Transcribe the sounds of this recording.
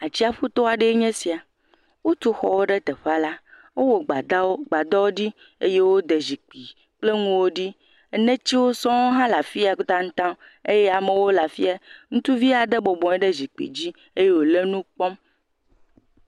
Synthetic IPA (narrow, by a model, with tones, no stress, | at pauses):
a˨t͡ɕi˦a˨ɸu˦t̪ɔ˦a˨ɖe˦ɲɛ̃˦si˨a˨ | wo˦t̪u˦xɔ̰˨wo˦ɖe˦t̪e˨ɸa˦la˦ | wo˦wo˨ɡ͡ba˨d̪a˦wo˦ɡ͡ba˨d̪ɔ˦wo˦ɖi˦ | e˦je˦wo˦d̪e˨zi˨k͡pi˨ | k͡ple˦ŋũ˦wo˦ɖi˦ | e˦nẽ˦t͡ɕi˦wo˦sɔ̃˦wo˦ɦã˦la˨fi˦a˨˦t̪ã˦ŋ̩̃˦t̪ã˦ | e˦jɛ˦a˨me˨wo˦la˨fi˦a˨ŋũ˦t̪u˦vi˦a˨ɖe˦bɔ˨bɔ̃˨ɛ˦ɖe˦zi˨k͡pḭ˨d͡ʑi˦ | e˦je˦wo˨le˦nũ˦k͡pɔ˦m